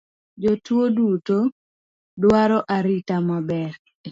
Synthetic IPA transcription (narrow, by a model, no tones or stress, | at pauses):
d͡ʒotwoduto | dwaɾɔʔaɾitamabɛɾ